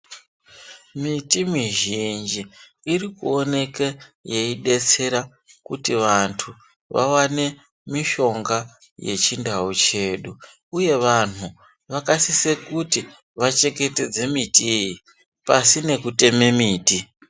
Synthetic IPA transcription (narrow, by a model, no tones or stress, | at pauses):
mitimiʒind͡ʒiː | rikuo̞ne̞keje̞iɗe̞t͡se̞ɾa | kutiʋantʰu | ʋa̰wane̞ | miʃo̞ŋɡa | je̞̰t͡ʃindaut͡ʃe̞ːɗu | uje̞ʋan̤u | ʋakasise̞kuti | ʋat͡ʃe̞ke̞te̞d͡ze̞mitiji | pasine̞kute̞me̞miːti